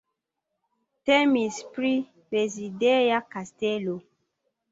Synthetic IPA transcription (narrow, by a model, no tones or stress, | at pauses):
tɛmispɾi | bezidɛjakastelo